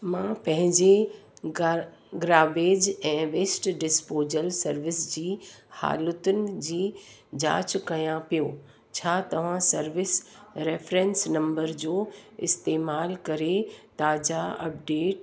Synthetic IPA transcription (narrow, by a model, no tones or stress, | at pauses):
mãpɐ̃ɦɪ̃ɲd͡ʑe | ɡɾaːbeːd͡ʑɛ̃ːʋeːsʈɖɪspoːd͡ʑəlsɐɾʋɪsd͡ʑiːha̰ːlʊt̪ʊnɪ̆d͡ʑiːd͡ʑa̰ːt͡ɕkɐjãpijoː | t͡ɕʰaːt̪ɐʋ̤ãsɐɾʋɪsɾeːfɾẽːnsnɐ̃mbəɾd͡ʑoːɪst̪eːmaːlkɐɾet̪aːd͡ʑaɐ̰p̚ɖeːʈ